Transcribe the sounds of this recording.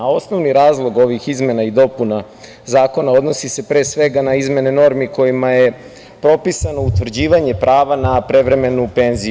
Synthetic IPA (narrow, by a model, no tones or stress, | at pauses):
ao̞sno̞ʋniɾaːzlˠo̞ɡo̞ʋixizme̞naid̪o̞puna | zaːko̞nao̞d̪no̞sise̞pɾe̞ːsʋe̞ɡanaizme̞neno̞ɾmiko̞jimaje̞ | pɾo̞pisano̞ut̪ʋr̩d͡ʑiːʋaɲe̞pɾʔaːʋanapɾe̞ʋɾe̞me̞nupe̞nzi